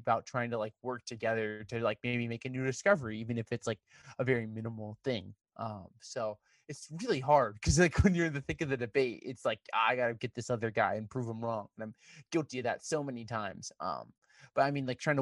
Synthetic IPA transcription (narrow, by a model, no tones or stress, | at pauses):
baʊtʰɹ̥aɪɪ̃ŋtʰəlaɪk̚wɜ˞k̚tʰɨɡɛðə˞ɾɨlaɪk̚meɪbimeɪkɨnʉɾɨskʌvə˞iivɨ̃nɨfɨtslaɪk | əvɛɹimɪ̃nəml̩ˠθɪ̃ŋ | ʔʌ̃msoʊ | ɨtsɹɪlˠiɦɑɹd̥̚kʰʌzlaɪkwɨ̃njə˞ɨ̃nðɨθɪ̃ŋkʌvðɨdɨbeɪt̚ɪ̰tslaɪka̰aɪɡɑɾɨɡɛt̪̚ðɪsʌðə˞ɡaɪɨ̃npʰɹ̥uvə̃mɹɔ̃ŋənãɪ̃mɡ̥ɪlˠtiɨðɨ̰tsoʊmɛnitʰãɪ̃mz̥ʔʌ̰̃m | b̥ʌɾaɪmĩnlaɪk̚tʰɹaɪɪ̃ŋ̃t